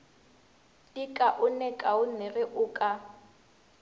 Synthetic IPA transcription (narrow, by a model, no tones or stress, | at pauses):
dikʼaʔʊnɛkʼaʊnɪrɪʔʊːkʼa